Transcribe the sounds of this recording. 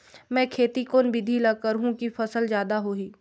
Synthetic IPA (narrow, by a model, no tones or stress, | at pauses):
mɛ̃ːkʰeːt̪ikoːnbɪd̪ʱilɐɡ̚kəɾɦũkifʰɐsəlzjaːd̪aɦoːiː